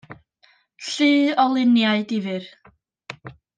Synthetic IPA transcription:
ɬɨːɔlˠɪnjaɨdɪvɨr

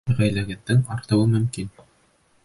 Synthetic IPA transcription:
ʁæjlæɡɘ̆nd̪ɘŋɑɾt̪ɤ̆wɤmɵ̆mkin

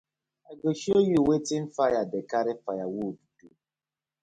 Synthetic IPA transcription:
aɡoʃiojiwetɪn̩fajadekaɾɪfajawodutu

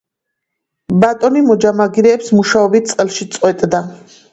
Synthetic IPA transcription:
bat̪ʼɔnimɔd͡ʒamaɡiɾɛːpsmuʃaɔbit̪̚sʼqʼɛlˠʃit̪sʼqʼwɛt̪ʼd̪a

